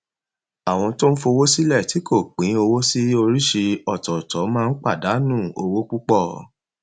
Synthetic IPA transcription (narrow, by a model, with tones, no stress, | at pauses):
a˨w̃ɔ̃˧to˦n̩˦fo˧wo˦si˦lɛ˦˨ti˨˦ko˦˨k͡pĩ˨˦o˧wo˦si˦o˧ɾi˦ʃi˧ɔ˦˨tɔ˨tɔ˨˦mãː˦˧n̩˦k͡pa˦˨da˨˦nũ˦˨o˧wo˦k͡pu˦k͡pɔ˦˨